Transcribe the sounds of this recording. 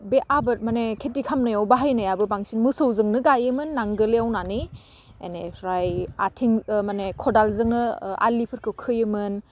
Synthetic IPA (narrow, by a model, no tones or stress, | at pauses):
beʔabɯt̚manekʰetikʰamnajawbaɦajnajabɯbaŋsinmɯsawzɯŋnɯɡajɯmɯnːaŋɡɯleawnani | eneɾajatʰiŋmanekʰɔdalzɯŋnɯa̰lipʰɯɾkʰɯwkʰɯjɯmɯn